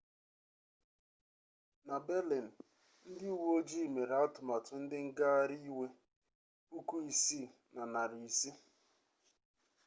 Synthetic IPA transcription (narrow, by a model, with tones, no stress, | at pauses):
na˨be˦le˨n̩˨ | n̩˦dɪ˦u˦wo˦d͡ʒi˦˨me˨ɾa˦tʊ˨ma˨tʊ˨n̩˦dɪ˦ŋ̩˦ɡa˦a˦ɾi˦we˦ | u˦ku˦i˨si˦˨na˨na˨ɾi˨i˨si˦